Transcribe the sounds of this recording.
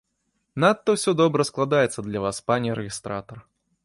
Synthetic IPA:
nat̪ːɐwsʲɔd̪ɔbɾɐsklˠad̪ajɛt̪sːɐd̪lʲɐvaspanʲiɾɛɣʲist̪ɾat̪ɐr

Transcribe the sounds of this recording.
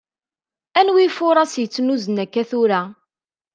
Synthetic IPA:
ænwifʊɾˤɑsjət͡sːnuzənækːæθʊɾæ

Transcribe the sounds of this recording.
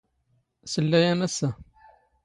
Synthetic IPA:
səlːæjænæsæ

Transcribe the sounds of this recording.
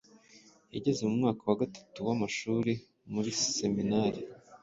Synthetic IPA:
jaɟe̞zemumŋaːkawaɡatḁtuwamaʃuːɾe | muɾise̞minaɾi

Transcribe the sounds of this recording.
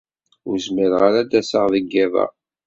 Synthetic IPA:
ʊɾzməɾʁaɾad̪æsaʁðəɡːævæ̰

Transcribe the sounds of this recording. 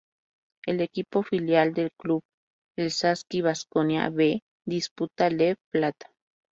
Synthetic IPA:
elekipofiljald̪elkluβ | elsaskiβaskonja̰βe | d̪isput̪aleβplat̪ḁ

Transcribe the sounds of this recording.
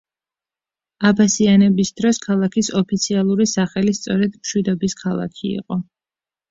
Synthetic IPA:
abasianɛbisd̪ɾɔskʰalˠakʰisɔpʰit̪sʰialˠuɾisaχɛlist̪sʼɔɾɛd̪mʃwid̪ɔbiskʰalˠa̰kʰiḭqʼɔ

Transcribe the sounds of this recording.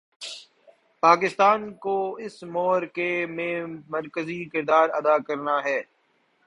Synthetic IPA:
paːk̬ɪst̪aːnkoɪsmɔːɾkemẽmɐɾkəzikɪɾd̪aːɾɐ̰d̪aːkɐɾnaɦɛː

